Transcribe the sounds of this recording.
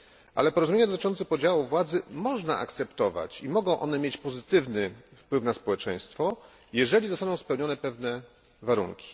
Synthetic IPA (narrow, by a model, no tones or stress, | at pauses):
ʔa̰lɛpɔɾɔzumʲjeɲad̪ɔt̪ɘ̥̆t͡ʂɔnt̪sɛpɔd͡ʑawuvwad̪zɘmɔʐnaʔa̰kt̪sɛpt̪ɔva̰t͡ɕimɔɡɔ̃w̃ʔɔnɛmʲjet͡ɕpɔzɘt̪ɘvnɘfpwɘfnaspɔwɛt͡ʂɛj̃st̪fɔ | jɛʐɛlʲizɔst̪anɔ̃w̃spɛwɲɔnɛpɛvnɛ | vaɾṵŋkʲi̥